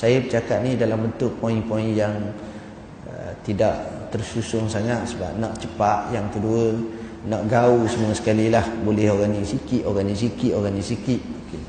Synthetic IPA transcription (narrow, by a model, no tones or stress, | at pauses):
sajabət͡ʃakat̪̚nidalambənt̪ʊʔpoĩŋpoĩnjaŋ | ət̪idaʔt̪ərsusʊŋsaŋat̪̚səba̰p̚naʔt͡ʃəpaʔ̪jaŋt̪əduəl | naʔɡausəmuasə̥kalilahbolɛhoɡanisikiʔ̪oɡanis̬ikiʔ̪oɡanisikɪt̪̚oke